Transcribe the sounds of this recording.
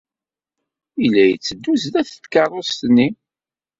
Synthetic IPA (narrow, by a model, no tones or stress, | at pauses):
ilːæjət͡sːəd̪ːuzd̪æθət̪ːkɑrˤost̪nːi